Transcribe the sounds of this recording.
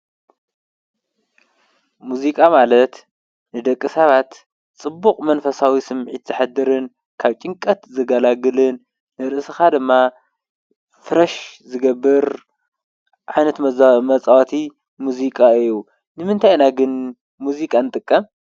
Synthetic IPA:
muzikʼamalɐt̪ | nɨd̪ɐkʼːɨsɐβat̪ | t͡sʼɨbːukʼmɐnfɐsawisɨmʕit̪z̥ɨħad̪ːɨɾɨn | kʰaβt͡ʃʼɪŋkʼɐt̪zɨɡɐlaɡɨlɨnː | ɨɾɨʔsɨxad̪ɨmːa | fɨɾɐʃzɨɡɐbːɨɾ | ʕajnɐt̪mɐmɐt͡sʼawat̪ʰi | muzikʼaɨjːu | nɨmɨnt̪ʰajnaɡɨn | muzikʼanɨt̪ʼɨkʼːɐm

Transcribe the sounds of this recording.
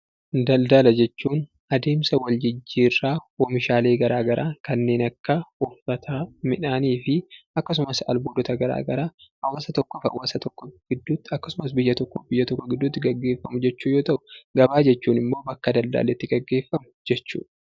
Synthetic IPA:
d̪ɐld̪ɐlɐd͡ʒɛt͡ʃːuːn | ɐd̪e̞ːmsɐwɐld͡ʒɪd͡ʒːiːrːaːɔmɪʃaːle̞ːɡɐɾaːɡɐɾaːkɐnːe̞ːnɐkːɐʊfɐt̪ʰaːmɪᶑaːniːfɪɐkːɐs̬ʊmɐsɐ̰lboːd̪ɔt̪ɐɡɐɾa̰ːɡɐɾaːɐwaːsɐt̪ɔkːɔfɐ̰waːsɐt̪ɔkːɔɡ̥ɪd̪ːuːt̪ːɐkːɐsʊmɐs̬bɪjːɐt̪ɔkːɔbɪjːɐt̪ɔkːɔɡɪd̪ːʊːt̪ːɪɡɐɡːe̞ːfːɐmʊd͡ʒɛt͡ʃːuːjoːt̪ɐʔʊ̥ɡɐbaːd͡ʒɛt͡ʃːuːnɪmːo̞ːbɐkːɐd̪ɐld̪ɐ̰ːlɛɪt̪ːɪɡɐɡːe̞ːfːɐmʊ̥d͡ʒɛt͡ʃːṵːᶑ

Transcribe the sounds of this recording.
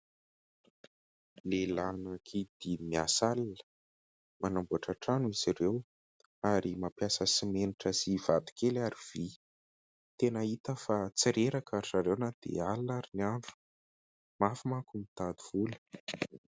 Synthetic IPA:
lelanakʰid̪̥imiasalinə̥ | manambuaʈ͡ʂaʈ͡ʂanuiz̥iɾew | aɾimapjasəsimeniʈ͡ʂəzivad̪i̥kelaɾiv̥i | t̪enəit̪əfat͡siɾeɾakʰaɾizaɾewnad̪̥ḛalnaɾiniaɳɖ͡ʐu̥ | mafimakumit̪ad̪uvulə̥

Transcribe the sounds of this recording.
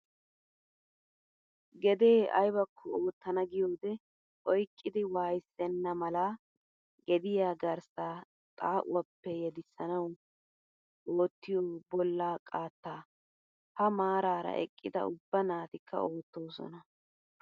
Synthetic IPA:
ɡɛd̪eːɐ̰jbɐkʰːɔoːt̪ːɐnɐɡɪjo̞ːd̪ɛ | ʔɔjkʼːɪd̪ɪwaːjsːɛnːɐmɐla | ɡɛd̪ɪjaːɡɐɾsaː | t̪ʼaːʔʊ̰ɐpːɛjɛd̪ɪsːɐnɐw | oːt̪ːɪjoːbɔlːaːkʼaːt̪ːaː | hɐmaːɾaːɾɐ̰ʔɛ̰kʼːɪd̪ɐ̰ʊbːɐnaːt̪ɪkʰːɐ̰oːt̪ːo̞ːsɔ̰nɐ

